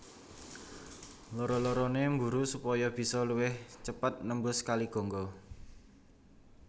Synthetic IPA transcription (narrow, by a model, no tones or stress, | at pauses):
lɔɾɔlɔɾɔnembuɾusupɔjɔb̥i̤sɔluwɪht͡ʃəpət̪̚nəmbʊskaliɡ̥ɔ̤ŋɡɔ